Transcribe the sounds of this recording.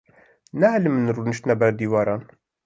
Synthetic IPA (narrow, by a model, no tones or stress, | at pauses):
næhlmɨnruːnɨʃt̪nɛbæɾd̪iːvɑːɾɑːn